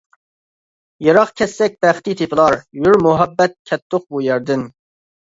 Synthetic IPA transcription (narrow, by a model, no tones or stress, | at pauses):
jeɾɑqkʲʰɛsːɛk̚ʲbæχt̪it̪ʰepʰɪlˠɑɾjyɾmʊɦɛbːɛt̪̚kʲʰɛt̪ʰːoq̚bujɛɾd̪ɪn